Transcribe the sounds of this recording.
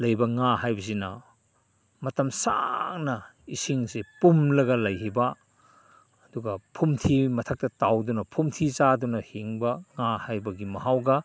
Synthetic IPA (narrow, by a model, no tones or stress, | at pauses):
lɐjbɐŋahajbɐs̬inɐ̰ | mɐtɐmsa̰ŋnɐ | isiŋsepumlɐɡɐlɐjɦibɐ | duɡɐpʰumtʰimɐtʰɐk̚tɐtawdunɐpʰumtʰit͡ʃadunɐhiŋbɐŋahajbɐɡimɐhawɡɐ